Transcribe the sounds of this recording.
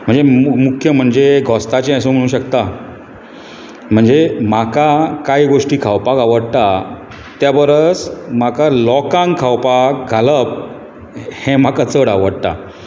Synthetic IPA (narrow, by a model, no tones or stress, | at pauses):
m̤əɳd͡zemukʰjəm̤əɳd͡zeɡʱɔst̪at͡ɕeãsõm̤əɽ̃uːɕ̬ək̚t̪a | m̤əɳd͡zem̤akakaiɡoʂʈiːkʰawpakaʋəɽt̪a | t̪jabəɾət͡smakalɔkãŋɡkʰawpak̚ɡʱaləp̚ | hẽm̤akat͡səɽa̰ʋəɽt̪a̰